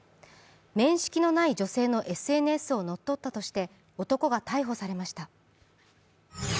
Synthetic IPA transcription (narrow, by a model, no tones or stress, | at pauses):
mẽ̞ɰ̃ɕi̥kʲino̞naid͡ʑo̞se̞ːno̞ʔe̞sɨe̞nɯ̟esɨo̞no̞t̪ːo̞t̪ːat̪o̞ɕi̥t̪e̞ | o̞t̪o̞ko̞ɡat̪aiɦo̞saɾe̞maɕi̥t̪a